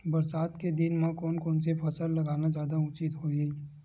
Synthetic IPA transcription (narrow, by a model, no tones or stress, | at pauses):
bɐɾsaːt̪ked̪ɪnmẽkoːnkoːnsepʰɐsəllɐɡaːnad͡ʒjaːd̪aʊt͡ʃɪt̪ɦoːi